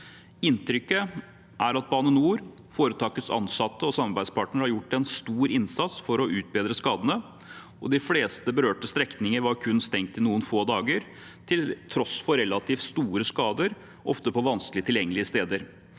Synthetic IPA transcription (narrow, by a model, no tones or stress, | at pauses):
ɪnt̪ʰɾʏkːə | ʔæɾɑt̪̚bɑːnənuːɾ | foːɾət̪ʰɑːkət̪sɑ̰nsɑt̪ːəɔsɑmɑɾbæɪd̪spʰɑːʈɳəɾhɑɾjʊʈːɛnst̪uːɾɪnsɑt̪sfɔɾɔʔʉːt̪̚beːd̪ɾəskɑːd̪ənə | ɔ̰d̪ɪfleːst̪əbəɾøːʈəst̪ɾɛknɪŋəɾʋɑɾkʰʉnst̪ɛŋt̪ɪnuːənfoːd̪ɑːɡəɾ | t̪ʰɪlt̪ʰɾɔsfɔɾɛlːɑt̪ʰiːft̪st̪uːɾəskɑːd̪əɾ | ʔɔft̪əpʰɔʋɑnsklɪət̪ʰɪljɛŋːəlɪəst̪eːd̪əɾ